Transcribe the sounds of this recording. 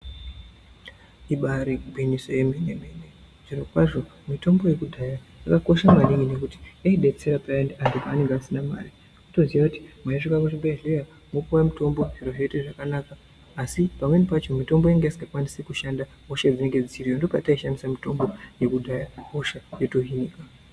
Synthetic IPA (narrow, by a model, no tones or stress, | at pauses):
iɓaɾibʱinisojemenemene | ʐinokwaʐo̞mito̞mbo̞je̞kudʱajaakako̞ʃamaɗiine̞kuti̥eiɗe̞t͡se̞ɾapanandipaːne̞ŋɡeasinama̰ːri | kuto̞ziʋakuti̥mwaiʐikakut͡ʃimbeileja | mokuwamito̞mbo̞ʐiro̞ʐe̞teʐakanakaː | sipamwe̞nepat͡ʃo̞mito̞mbo̞jaŋɡeisiŋɡakwanisekuʃanda | ɦo̞ʃad͡zine̞ŋɡe̞d͡zit͡ʃirijondo̞pataiʃamisamito̞mbo̞je̞kudʱajaɦo̞ʃaje̞toɦiniːka